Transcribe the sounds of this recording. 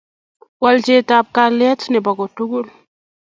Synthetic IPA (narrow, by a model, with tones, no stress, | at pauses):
wald͡ʒetap̚kalɛ˦tnɛ˨ba˨ɡɔtu˦ɡu˦l